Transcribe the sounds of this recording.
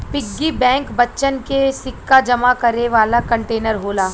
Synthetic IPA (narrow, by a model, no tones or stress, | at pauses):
pɪɡːibɛ̃ːŋkbɐtːʃənkesɪkːad͡ʒɐmakɐɾeʋaːlakɐ̃ɳʈeːnəɾɦoːlaː